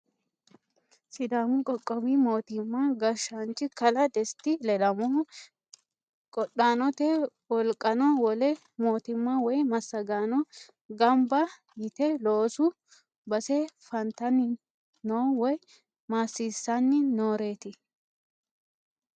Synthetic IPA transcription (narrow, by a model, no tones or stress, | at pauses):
sɪd̪aːmʊkʼɔkʼːɔbimo̞ːt̪ɪmːaɡɐʃant͡ʃʼːɪkɐlɐd̪ɛst̪ɪlɛlɐmɔ | kʼɔɗaːnɔt̪e | wɔlkʼɐnɔwɔlɛ | mo̞ːt̪ɪmːawɔjmɐsːɐɡaːnɔ | ɡɐmbɐ | jɪt̪ɛloːsʊ | bɐsɛfɐnt̪ɐnːɪ | noːwɔj | maːsːiːsːɐnːɪnoːɾe̞ːt̪ɪ